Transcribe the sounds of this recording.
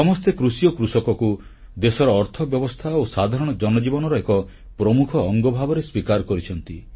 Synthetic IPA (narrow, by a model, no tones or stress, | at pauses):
sɔmɔst̪ekɾusijɔkɾusɔkɔku | d̪esɔɾɔːɾt̪ʰɔbjɔbɔst̪ʰaosad̪ʱaɾɔɽ̃ɔd͡ʒɔnɔd͡ʒibɔnɔɾɔekɔ | pɾɔmukʰɔːŋɡɔbʱabɔɾeswikaɾɔkɔɾit͡ʃʰɔnt̪i